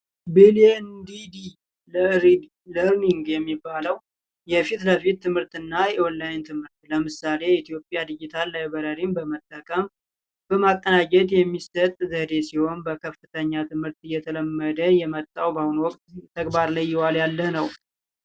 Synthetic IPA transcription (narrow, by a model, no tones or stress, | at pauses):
bilɛnd̪id̪i | ləɾ | ləɾniŋɡjɛmːibːaləw | jɛfit̪ləfit̪ʰːɨmhɨɾt̪ɨnːajɛɔlːajɪnt̪ʰɨmhɨɾt̪ləmɨsale̞it̪ʰijo̞pʼːjad̪ɨd͡ʒɪt̪ʰalːajbəɾəɾimbəmət̪ʼːəkʼəm | bəmakʼːənad͡ʒɛd̪jɛmːisət̪ʼzəd̪e̞siho̞nbəkʰəfɨt̪ʰəɲːat̪ʰɨmhɨɾt̪ɨjːɛt̪ʰələmːəd̪əjɛmət̪ʼːawbahunwɔkʼt̪t̪ʰːəɡbaɾləjːɪwaljalːəhnəw